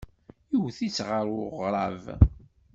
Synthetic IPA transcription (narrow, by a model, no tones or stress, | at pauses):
iwθit͡sːʁəɾˤʊʁɾˤɑv